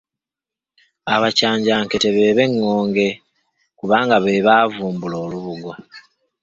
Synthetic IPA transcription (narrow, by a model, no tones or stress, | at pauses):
aβacaːɲɟaːŋke̞te̞βe̞ːβe̞ŋːo̞ːŋɡe̞ | kuβaːŋɡaβe̞ːβaːvuːmbulo̞ːluβuɡwa